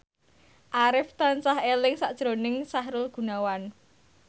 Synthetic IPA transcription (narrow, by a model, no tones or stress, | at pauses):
ʔaɾɪft̪ansahelɪŋsaʔd̥ʒ̥ɾonɪŋsaɦɾʊlɡ̥ṳnawan